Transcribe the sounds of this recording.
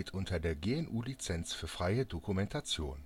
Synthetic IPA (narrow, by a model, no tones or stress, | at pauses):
tʔʊntʰɐdeːɐɡeːɛnʔuːlit͡sɛnsfyːɐfʁ̥aɪədokumɛntʰat͡sjo̰ːn